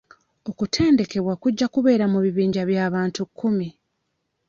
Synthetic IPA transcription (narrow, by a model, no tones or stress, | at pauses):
o̞kutʰe̞ːnde̞ke̞βwakuɟːakuβe̞ːɾamuβiβiːɲɟaβjaːβaːntukʰːumi